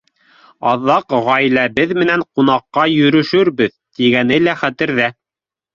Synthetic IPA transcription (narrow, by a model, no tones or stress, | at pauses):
ɑðɑqʁɑjlæbɘðmɘ̆næɴqun̪ɑqːɑjɵ̆ɾɵ̆ʃɵɾbɘðt̪iɡænɘlæχæt̪ɘ̆ɾðæ